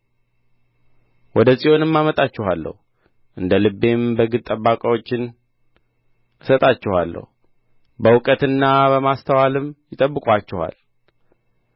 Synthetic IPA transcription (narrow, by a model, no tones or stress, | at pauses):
wɔd̪əsʼijo̞nɨmːamət̪ʼat͡ʃːɛhalːə̰hu | ʔɨnd̪əlɨbːe̞mbəɡɨt̪ʼəbːakʼəwo̞t͡ʃːɪn | ɨsət̪ʼat͡ʃːɛhalːə̰hu | bəwʊkʼət̪ɨnːabəmast̪ʰəwalɨmjɪt̪ʼəbːɨkʷʼat͡ʃːɛha̰l